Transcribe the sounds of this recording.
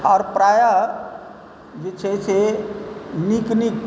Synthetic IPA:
ɔːɾpɾaːja | d͡ʒet͡ʃʰet͡ʃʰe | niknik

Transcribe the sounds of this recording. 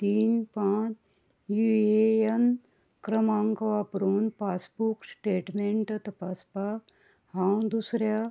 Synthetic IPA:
t̪iːnpãːt͡ʃ | juejɐn | kɾɐmaːŋkɐʋaːpɾuːnpaːsbuksʈeːʈmeɳʈɐt̪ɐpaːspaːk | hãw̃d̪usɾja

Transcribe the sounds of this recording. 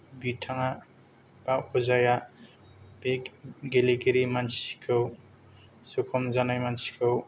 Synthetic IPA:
bitʰaŋa | b̥auzaja | bekɡeleɡeɾimansi̥kʰɯw | sukʰɔmzanajmansi̥kʰɯw

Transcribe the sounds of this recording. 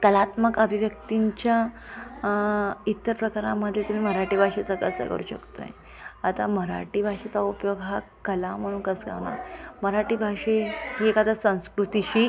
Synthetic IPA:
kəlat̪məkəbʱiʋjək̚t̪iɲt͡ɕja | it̪ːəɾpɾəkaɾaməd̪ʱːjet̪um̤iːməɾaʈiːbʱaʂet͡səkəsə̰kə̰ɾṵːɕə̰kt̪o̰jḛ | at̪aməɾa̰ʈiːbʱaʂet͡saupjoɡɦakəlam̤əɽ̃uːnkəsɡa̰ʋɳa̰məɾaʈiːbʱaʂeɦiekat̪asə̃w̃skɾut̪iɕiː

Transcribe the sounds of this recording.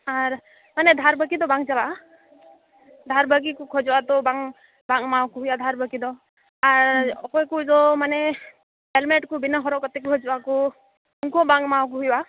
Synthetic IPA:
aɾ | manɛd̪ʱaɾbəkid̪ɔbaŋd͡ʒala | d̪ʱaɾbəɡikɔkʰɔd͡ʒɔwat̪ɔbaŋ | baŋmawkuɦujad̪ʱaɾbəkid̪ɔ | aɾɔkɔjkuzɔmanɛ | ɛlmɛʈkɔbinaɦɔɾɔkɔt̪ɛkkʰɔd͡ʒɔwakɔ | uŋkɔbaŋmawk̬uɦujba

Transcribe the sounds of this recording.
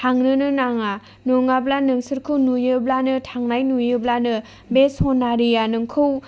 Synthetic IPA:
tʰaŋnɯnɯnaŋa | noŋablanɯŋsɯɾkʰɯwnujɯblanɯtʰaŋnajnujɯblanɯ | besonːaɾijanɯŋkʰɯw

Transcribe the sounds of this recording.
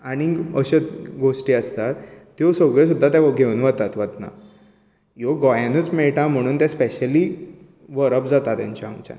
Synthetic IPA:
aɽ̃iəɕəɡoʂʈiːəst̪at̪ː | josoɡɭes̬ud̪ʱːat̪jãɡʱeunʋət̪at̪ʋət̪na̰ | joɡɔjãnət͡smɛɭʈãm̤əɽ̃uːnt̪jãspeɕəliː | ʋəɾəpd͡zat̪at̪jã̰ɲt͡ɕaəŋt͡ɕa̰n

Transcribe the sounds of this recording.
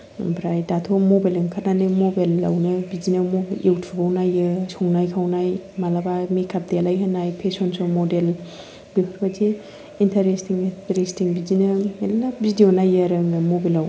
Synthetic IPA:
bɾajdatʰomobajliŋkʰananɯmobalːa̰wnɯbid͡ʒinɐmoʔewtʰubawnajɯsʰɔŋnajkʰawnajmalabamikʰap̚dealajɦanajpʰesɔnsomodel | b̥ipʰaɾbad͡ʒi | intʰaɾestiŋtɾestiŋbid͡ʒinɐelabidionajəɾɯnɐmobelaw

